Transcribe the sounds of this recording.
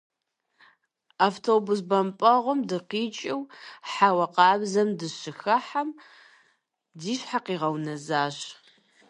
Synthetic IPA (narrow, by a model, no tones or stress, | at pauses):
aːftʰoːbus̬bɐmpʼɐʁʷʊmdɨqiːt͡ʃʼɪwħawɐqɑːbzɐmdɨɕɪxɐħam | diːɕħaqiːʁɐwnɐzaːɕ